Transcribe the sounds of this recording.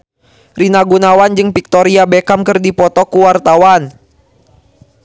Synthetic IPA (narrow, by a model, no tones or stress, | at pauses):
rinaɡunawand͡ʒɨŋpik̚t̪ɔɾiabɛkamkɨrdipɔt̪ɔkuwart̪awan